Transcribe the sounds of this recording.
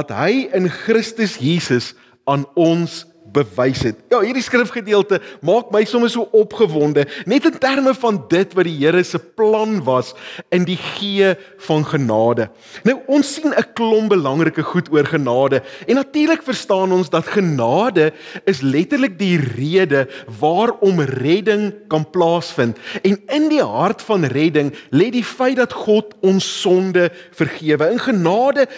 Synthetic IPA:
dɐtɦəjənχrəstəsjiːsəs | ɑːnɔns | bəvɛjsɦɛt̚jɑɦiːrdiskrəfχədiəlˠtəmɑːk̚məjsɔməsuəʔɔpχəvɔndənɛtəntærməfɐndətvɐdiɦiəɾəsəplɐnvɐsəndiχiə | fɐnχənɑːdə | nɐwʔɔnsːinəklɔmbəlɐŋrəkəχutuərχənɑːdəɛnːɐtiːrləkfərstɑːnɔnsdɐtχənɑːdəəslɛtərlək̚diriədəvɑːrɔmrɛdəŋkɐnplɑːsfəntɛnəndiɦɐrtfɐnrɛdəŋlɛdifɛjt̚dɐtχɔtɔnsːɔndəfərχiəvəənχənɑːdə

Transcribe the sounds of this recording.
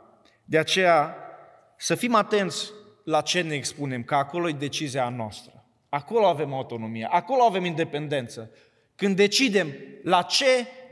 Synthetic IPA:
d̪e̞at͡ʃe̞ja | səfimat̪e̞nt̪sʲ | lat͡ʃe̞ne̞ːkspune̞mkəako̞lo̞jed̪e̞t͡ʃizianoa̰st̪ɾə | ako̞lo̞ave̞maut̪o̞no̞mijḛʔako̞lo̞ave̞mind̪e̞pe̞nd̪e̞nt̪sə | kɨnd̪ːe̞t͡ʃid̪e̞mlat͡ʃe̞

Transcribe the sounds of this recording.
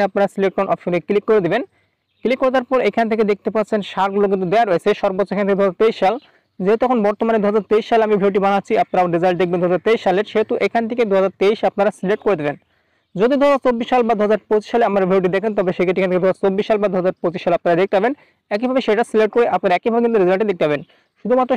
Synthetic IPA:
eap̚naɾasilek̚ʈonʔɔfʃunekilikːoɾed̪iben | klikːoɾet̪aɾpɔɾekʰanet̪ʰeked̪ek̚t̪epaɾt͡ɕʰenʃaɾɡulok̬int̪̬ud̪ɛaɾoet͡ɕʰeʃɔɾbot͡ɕːʰoekʰnet̪ʰeked̪uɦad͡zaɾt̪eiʃʃal | d͡ʑeet̪ɛkʰonbɔɾt̪omaned̪uɦad͡ʑaɾt̪eiʃʃaleamibʱewʈ̬ibanatːɕʰiap̚naɾaoɖid͡ʑajnd̪ek̚bend̪uɦad͡zaɾt̪eiʃʃaleɾʃeɦet̪uʔekʰanet̪ʰeked̪uɦad͡ʑaɾt̪eiʃap̚naɾasileʈ̚koɾed̪iben | d͡ʑod̪id̪uɦad͡zaɾt͡ɕobːiʃʃalbad̪uɦad͡ʑaɾpot͡ɕi̥ʃːaleamaɾbʱewʈ̬id̪ekʰent̪ɔbeʃeket̪ekʰnet̪ed̪uɦazaɾt͡ɕobːiʃʃalbad̪uɦad͡zaɾpot͡ɕiʃːaleap̚naɾad̪ek̚t̪epaben | ɛk̬ibʱabeʃeʈasileʈ̚koɾeʔapnaɾaɛkibʱabekint̪uɾizalʈed̪ek̚t̪epʰaben | ʃud̪ʱumat̪ːɾo

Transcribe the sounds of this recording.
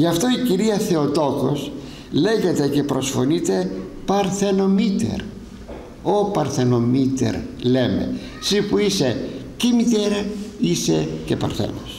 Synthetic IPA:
ʝɐft̪o̞iciɾiɐθe̞o̞t̪o̞ko̞s | le̞ʝe̞t̪e̞ce̞pɾo̞sfo̞nit̪e̞pɐɾθe̞no̞mit̪ḛɾ | opɐɾθe̞no̞mit̪e̞̰ɾle̞me̞̰ | sipuise̞cemit̪eɾɐise̞ce̞pɐ̰ɾθḛnos

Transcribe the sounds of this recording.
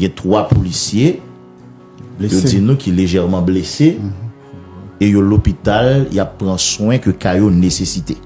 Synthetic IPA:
ɡɛ̃t̪ʁwapolisje | jod͡zinũkʰileʒɛʁmɑ̃blese | ejolopit̪aljapːʁãsw̃ɛ̃køkajonesesit̪e

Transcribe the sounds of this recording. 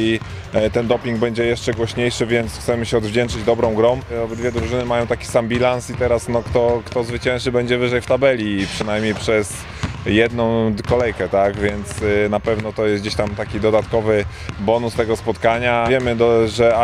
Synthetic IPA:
i | t̪ɛnd̪ɔpʲiŋɡbɛɲd͡ʑɛjɛʂt͡ʂɛɡwɔɕɲejʂɘvʲjɛnt̪sxt̪sɛmɘɕɛɔd̪vd͡ʑɛnt͡ʂɘd͡ʑd̪ɔbɾɔ̃w̃ɡɾɔ̃w̃ɔd̪vʲɛd̪ɾuʐɘnɘmajɔ̃w̃t̪akʲi̥sambʲilansit̪ɛɾasnɔkt̪ɔkt̪ɔzvɘt͡ɕɛ̃nʂɘbɛɲd͡ʑɛvɘʐɛjft̪abɛlʲipʂɘnajmʲɲejpʂɛs | jɛd̪nɔ̃w̃kɔlɛjkɛt̪aɡvʲjɛnt̪snapɛvnɔt̪ɔjɛs̚d͡ʑeɕt̪amt̪akʲid̪ɔd̪at̪kɔvɘ | bɔnust̪ɛɡɔspɔt̪kaɲavʲjɛmɘd̪ɔʐɛ

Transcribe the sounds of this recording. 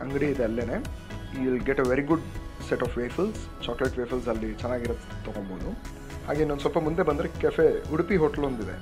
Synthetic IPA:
ɐŋɡɐɽiid̪eɐlːeːneː | iʋilɡeʈeʋeɾiɡuɖseʈɔːfʋeːfɐls | t͡ʃaːkleʈʋeːfɐlsɐlːit͡ʃɛnːaːɡiɾɐt̪ːɐɡoɳboːd̪u | ha̰ːɡe̞ːniond̪usʋɔɐlpɐmund̪e̞bɐnd̪ɾekɛfeuɽpiɦoːʈɐlɦond̪id̪e

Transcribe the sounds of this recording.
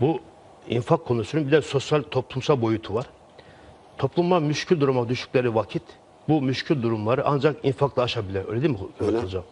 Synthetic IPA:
bu | ḭnfakʰːo̞nusununbid̪ɛso̞sjalʲt̪ʰo̞plˠumsalˠbo̞jut̪ʰuvaɾ̥ | t̪ʰo̞plˠumːamyʃcʰylʲd̪uɾumad̪yʃy̥cʲlʲeɾivacʰit̪ | bumyʃcʰylʲd̪uɾumlˠaɾɯʔa̰nd͡ʒakinfaklˠaːʃabilʲiɾøjlʲeinmiɯlˠd͡ʒam

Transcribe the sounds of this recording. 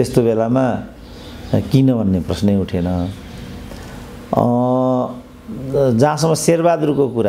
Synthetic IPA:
est̪obelama | kinʌbʱʌnːeprʌsneuʈʰenʌ | d͡zãsʌmːʌserbad̪ɾukokuɾa

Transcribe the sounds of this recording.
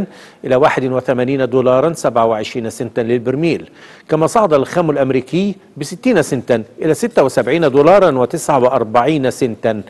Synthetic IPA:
n | ʔɪlæwaːħɪd̪ɪnwɪθæmæːniːnad̪uːlɑːɾˤɑnsabʕawɪʕɪʃɾiːnasɪnt̪anlɪlbɪɾmiːl | kæmæsˤɑʕd̪ˤɑlxæːmɪlʔamɾiːkɪjː | bɪsɪt̪ːiːnsɪnt̪anʔɪlæsɪt̪ːawɪsabʕiːnad̪uːlɑːɾˤɑnwɪt̪ɪsʕawɪʔɑɾˤbaʕiːnasɪnt̪an

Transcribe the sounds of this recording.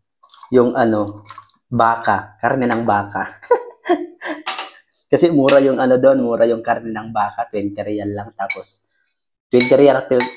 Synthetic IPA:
jʊŋʔɐno̞ | baːkakaɾnɛnɐŋbaːka | kɐsɛmuːɾɐjʊŋɐno̞d̪oʔnmuːɾɐjʊŋkaɾnɛnɐŋbaːkɐt̪wɛnt̪ɛɾjanlaŋt̪aːpos | t̪wɛnt̪ɛɾjalɐp̪ɪ

